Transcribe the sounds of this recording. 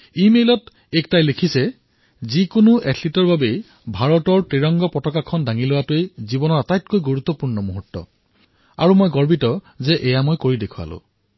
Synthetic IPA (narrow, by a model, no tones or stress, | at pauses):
imelɔt | ek̚tajlekʰisɛ | zikonʊʔɛtʰlitɔɹbabe | bʱaɹɔtɔɹpɹiɹɔŋɡɔpɹɔtɔkakʰɔndaŋilowatʊejzibɔnɔɹatajtkojɡuɹut̪ːɔpuɹnɔmuɦutːɔ̰ | a̰ɹumojɡɔɹbitɔ | zɛʔɛjamojkoɹidekʰua̰lʊ̰̃